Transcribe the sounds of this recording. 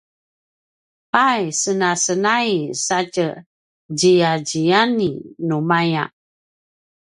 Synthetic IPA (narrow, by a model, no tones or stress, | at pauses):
pajsənasənaisat͡ʃə | d͡ʒijad͡ʒijaninumaja̰ʔ